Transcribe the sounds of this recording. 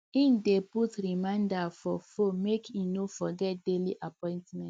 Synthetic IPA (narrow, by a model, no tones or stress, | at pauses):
ĩndeputɹimãɪ̃ndafɔfomekʰĩnofɔɡɛt̚deliʔapɔ̃ɪ̃ntmɛ̃t